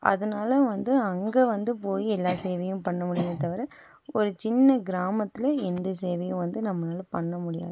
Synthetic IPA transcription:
ʔɐ̰ðɐnaːlɐʋɐnd̪ɯɐŋɡeːʋɐnd̪ɯpoːjiɛlːaːseːʋɐjʊ̃mpɐɳːɐmʊɽɪjdɯt̪ɐʋɐɾɐ | ɔɾɯt͡ʃɪnːɐɡɪɾaːmɐt̪ːɪlɐɛnd̪ɐseːʋɐjʊ̃ʋɐnd̪ɯnɐmːɐnaːlɐpɐɳːɐmʊɽɪja̰ːð

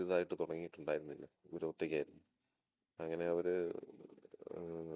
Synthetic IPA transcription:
iðaːjiʈːɨt̪uɽɐŋːijiʈːuɳɖaːjiɾunːilːɐiʋɐɾoʈːekʲːaːjiɾunːu | ɐŋːɐne̞ɐʋɐɾɨ

